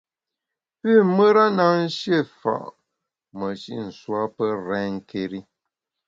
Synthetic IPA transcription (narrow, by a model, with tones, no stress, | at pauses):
pi˦˨mə˦ɾa˦na˦n̩˦ʃje˦˨fa̰˨ʔ | mə˨ʃi˦n̩˨swa˦pə˦ɾɛː˦ŋ̩˦˨ke˦˨ɾi˦